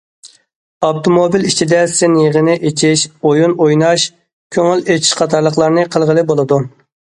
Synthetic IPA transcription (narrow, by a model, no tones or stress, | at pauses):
ɑpt̪ʰomobilit͡ʃʰid̪ɛsɪnjeʁənɪʔet͡ʃʰiʃojunojnɑʃ | kʲʰøŋylet͡ʃʰi̥ʃqʰɑt̪ʰɑɾlˠəqlˠɑɾnɨqʰəlˠʁəlˠɨbolˠɨd̪u